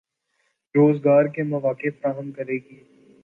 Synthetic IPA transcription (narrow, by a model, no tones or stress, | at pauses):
ɾoːzɡaːɾkemɐʋaːkɪfɾaːɦəmkɐɾeːɡiː